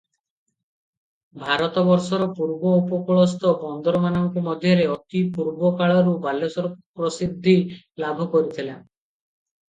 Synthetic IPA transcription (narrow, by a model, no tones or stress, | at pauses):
bʱaɾɔt̪ɔbɔɾsɔɾɔpuɾbɔupɔkɔɭɔst̪ɔbɔnd̪ɔɾɔmanɔŋkɔmɔd̪ʱjɔɾeɔt̪ipuɾbɔkaɭɔɾubalɔsɔɾɔkpɾɔsid̪ʱːi | labʱɔkɔɾit̪ʰilan